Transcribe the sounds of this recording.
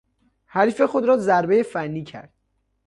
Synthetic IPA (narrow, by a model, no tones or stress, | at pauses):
hæɾifexod̪ɾɒːzæɾbe̞jefænːiːcʰæ̰ɾd̪̥